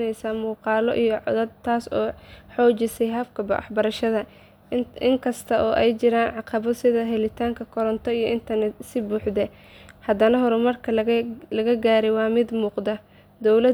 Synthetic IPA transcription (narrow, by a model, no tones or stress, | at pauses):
nɛjsaːmuːqɑːlɔ̰ʔijɔʕɔ̰ðɐd̪t̪ʰaːsɔːħɔːt͡ʃɪsɛjɦɐfkʰɐbɐ̰ɑ̰ħbɐɾɐʃɐðɐ | ɪŋkʰɐst̪ʰɐʔɔːʔɛjt͡ʃɪɾaːnʕɑqɑβɔsɪðɐɦɛlɪt̪ʰaːŋkʰɐkʰɔɾɔnt̪ʰɔijɔʔɪnt̪ʰɐrnɛt̪sɪbuːħd̪ɛ | hɐd̪ɐnɐɦɔɾɛmɐrkʰɐlɐɣɐɡaːɾɛjwɑːmɪd̪muːqd̪ɐ | d̪ɔwlɐ